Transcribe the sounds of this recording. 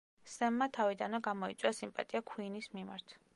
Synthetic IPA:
sɛmːat̪ʰavid̪anɛɡamɔit̪sʼwasimpʼa̰t̪ʼiakʰwiːnismima̰ɾt̪ʰ

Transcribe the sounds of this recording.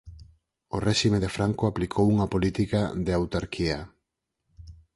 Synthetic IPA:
orɛʃimeðefɾaŋkoaplikʰowuŋapolit̪ikaðeawt̪aɾkʰia

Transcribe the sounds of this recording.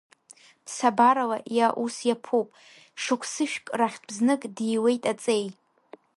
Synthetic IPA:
bʰsabaɾalaʔjaʔusjapʰupʼ | ʂɨkʷʰsɨʃᶣkʼraχʲbznɨkʼdijwe̞jtʼat͡sʼej

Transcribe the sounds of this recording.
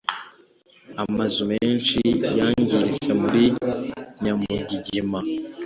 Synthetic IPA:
amazumeːnʃijaːɲɟiɾisemuɾiɲamuɟiɟima

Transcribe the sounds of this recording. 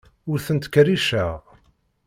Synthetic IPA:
ʊɾθənt̪kɾiʃæʁ

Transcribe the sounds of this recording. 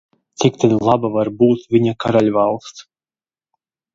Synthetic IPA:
t̪sikt̪ɛd̪lˠabavaɾbuːt̪vʲiɲakaɾalʲvalˠst̪s

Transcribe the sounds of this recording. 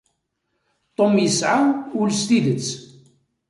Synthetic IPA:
t̪ˤːomjəsʕaʊlst̪iðət͡sː

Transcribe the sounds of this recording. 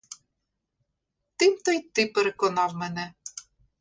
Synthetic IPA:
t̪emt̪ɤjt̪ːepɘ̆ɾɘkonɑvmɘnĕ

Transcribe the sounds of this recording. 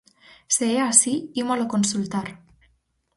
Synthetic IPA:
seeasiimalokonsult̪aɾ

